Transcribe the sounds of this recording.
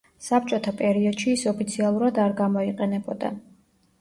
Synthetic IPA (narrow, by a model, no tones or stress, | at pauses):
sap̚t͡ʃʼɔt̪ʰapʼɛɾiɔd̪̥ʃiːsɔpʰit̪sʰialˠuɾad̪aɾɡamɔiqʼɛnɛbɔd̪a̰